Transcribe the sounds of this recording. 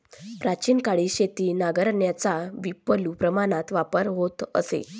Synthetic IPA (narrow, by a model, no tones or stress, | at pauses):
pɾat͡ɕiːnkaɭiːɕet̪iːnaɡəɾɳjat͡saʋipːəlupɾəmaɽ̃at̪ʋapəɾɦot̪ə̰sḛ